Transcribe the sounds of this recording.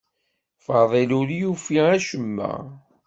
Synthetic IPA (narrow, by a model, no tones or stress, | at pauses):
fɑðˤeluɾjufiæʃəmːæ̰